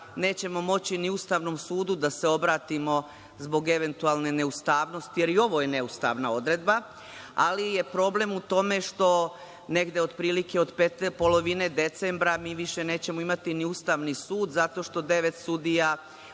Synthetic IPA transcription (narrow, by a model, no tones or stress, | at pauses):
ne̞ːt͡ɕe̞mo̞mo̞t͡ɕiniust̪aːʋno̞msuːd̪ud̪ase̞o̞bɾaːt̪imo̞ | zbo̞ɡe̞ʋe̞nt̪ualˠne̞ne̞ust̪aːʋno̞st̪ije̞ɾio̞ʋo̞jene̞ust̪a̰ʋnao̞d̪ɾe̞d̪ba | a̰lije̞pɾo̞ble̞mut̪o̞me̞ʃt̪o̞ | ne̞ɡd̪eo̞d̪pɾiːlike̞od̪pet̪po̞lo̞ʋine̞d̪e̞t̪sembɾamiːʋiʃe̞ne̞ːt͡ɕe̞mo̞imat̪iniust̪aʋnisuːd̪zat̪o̞ʃt̪o̞d̪e̞ʋe̞t̪sud̪ija